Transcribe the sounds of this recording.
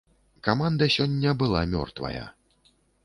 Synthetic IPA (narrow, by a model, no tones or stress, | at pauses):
kamand̪ɐsʲɔnʲːɐbɨlˠa̰mʲɔ̰rt̪vɐ̰jɐ̰